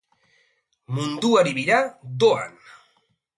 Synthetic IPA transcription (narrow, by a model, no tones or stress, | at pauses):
mund̪uaɾiβiɾad̪oa̰n